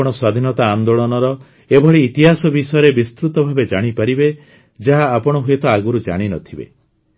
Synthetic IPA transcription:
ɔɽ̃ɔswad̪ʱinɔt̪aːnd̪oɭɔnɔɾɔ | ebʱɔɭiːt̪iɦasɔbisɔjɔɾebist̪ɾut̪ɔbʱabed͡ʒaɽ̃ipaɾibe | d͡ʒaɦaːpɔɽ̃ɔɦuet̪ɔaɡuɾud͡ʒa̰ɽ̃inɔt̪ʰibḛ

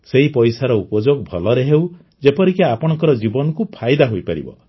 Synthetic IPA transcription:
seɦipɔjsaɾɔupɔd͡ʒoɡ̚bʱɔlɔɾeɦew | d͡ʒepɔɾikeapɔɽ̃ɔŋkɔɾɔd͡ʒibɔnɔkupʰajd̪aɦojpaɾḭbɔ̰

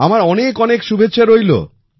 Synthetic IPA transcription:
amaɾɔnekɔnekʃubʱetːɕʰaɾojlo̰

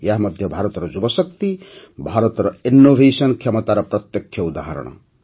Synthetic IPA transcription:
jaɦmʌd̪ʱjʌbʱaɾʌt̪ɾʌd͡zubʌsʌkt̪i | bʱaɾʌt̪ɾʌinːobʱesʌnkʰemʌt̪aɾʌprʌt̪jʌkʰɕʌud̪ʱaɦʌɾ̰ɽ̃ʌ̰

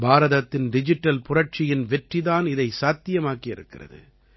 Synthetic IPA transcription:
baːɾɐðɐt̪ːɪnɖɪd͡ʒɪʈːɐlpʊrɐʈ̚t͡ʃɪjɪnʋɛʈriðaːnɪðɐɪsaːt̪ːɪjɐmaːkɪɪɾɯkːɪ̰rɐ̰ðɯ̰

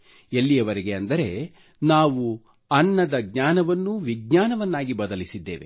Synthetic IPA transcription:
elːijɐʋɐɾeɡe̞ɐnd̪ɐɾe̞ | naːʋu | ɐnːɐd̪ɐɡɲaːnɐʋɐnːuʋiɡ̚ɲaːnɐʋɐnːaːɡibɐd̪ɐlisid̪ːḛːʋe̞̰

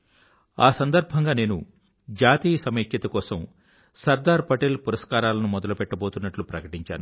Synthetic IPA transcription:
aːsɐnd̪ɐɾbʱɐŋɡaːne̞ːnu | d͡ʒaːt̪iːjɐsɐmeːkjɐt̪ɐkɔːsɐm | sɐɾd̪aːɾpɐʈeːlpuɾɐskaːɾaːlɐnumɔd̪ɐlupɛʈːɐbo̞ːt̪unːɐʈlupɾɐkɐʈiɲt͡ʃa̰ːnu

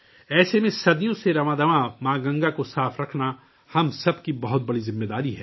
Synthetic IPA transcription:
ɛːsemẽsɐd̪ijõseɾɐmãd̪ɐʋãmãːɡɐ̃ŋɡakosaːfʰɾɐkʰna | hɐmsɐbkibɐɦʊt̪̚bɐɽizɪ̃mːed̪aːɾiɦɛ̰ː

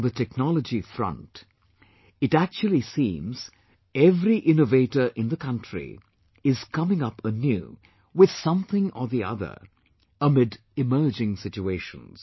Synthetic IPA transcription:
ðətʰɛk̚nɑlˠəd͡ʒifɹʌ̰̃nt | ɨtæk̚t͡ʃul̩ˠisĩːmz̥ | ɛvɾiʔɪ̃noveɪɾə˞ʔɪ̃nðəkʰʌ̃ntɹ̥ḭ | ɪz̥kʰʌmɪ̃ŋʌpʰənjʉ̰ | wɪð̥sʌ̃mθɪ̃ŋə˞ðiʌ̰ðə̰˞ | əmɪd | ɨmɜ˞d͡ʒɪ̃ŋsɪt͡ʃueɪʃə̰̃nz̥

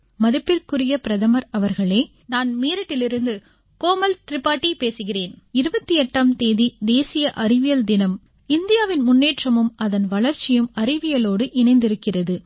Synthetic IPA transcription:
mɐðɯpːɪɾkɯɾɪjɐpɪɾɐðɐmɐɾɐʋɐɾɣɐɭeː | naːnmeːɾɐʈːɪlɪɾɯnd̪ɯ | koːmɐlt̪ɪɾɪpːaːʈːipeːsɯɣɪreːnɪɾɯbɐt̪ːɯjɛʈːaːmt̪eːðid̪eːsɪjɐʔɐrɪʋɪjɐld̪ɪnɐm | ɪnd̪ɪjaːʋɪnmʊnːeːʈrɐmɯmɐðɐnʋɐɭɐɾt͡ʃːɪjɯmɐɾɪʋɪjɐloːɽɯʔɪnɐɪnd̪ɪɾɯkːɪrɐðɯ

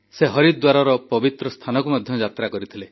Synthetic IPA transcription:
seɦɔɾid̪d̪waɾaɾɔpɔbit̪ɾɔst̪ʰanɔkumad̪ʱjɔd͡ʒat̪ɾakɔɾit̪ʰile

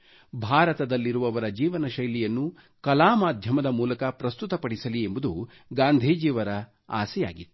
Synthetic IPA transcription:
bʱaːɾɐt̪ɐd̪ɐlːiɾuʋɐʋɐɾɐd͡ʒiːʋɐnɐʃɐjlijɐnːu | kɐlaːmaːd̪ʱjɐmɐd̪ɐmuːlɐkɐpɾɐst̪ut̪ɐpɐɽisɐliembud̪u | ɡaːnd̪ʱiːd͡ʒiːʋɐɾɐ | a̰ːsɛja̰ːɡit̪ː

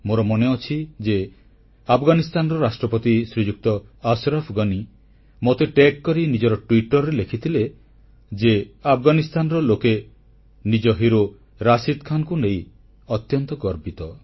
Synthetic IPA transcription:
moɾɔmɔneɔt͡ʃʰid͡ʒe | apʰɡanist̪anɔɾɔɾasʈɾɔpɔt̪isɾid͡ʒuk̚t̪ɔasɾɔpʰɡɔni | mot̪eʈekːɔɾinid͡ʒɔɾɔʈwiʈɔɾːelekʰit̪ʰile | d͡ʒeapʰɡanist̪anɔɾɔloke | nid͡ʒɔɦiɾo | ɾasid̪kʰanɔkunej | ɔt̪jɔnt̪ɔɡɔɾbit̪ɔ

